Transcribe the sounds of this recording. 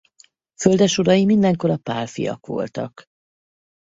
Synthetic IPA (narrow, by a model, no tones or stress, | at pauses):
føld̪ɛʃuɾɒjimind̪ɛŋko̞ɾɒpaːlfḭjɒ̰kʋo̞̰lt̪ɒk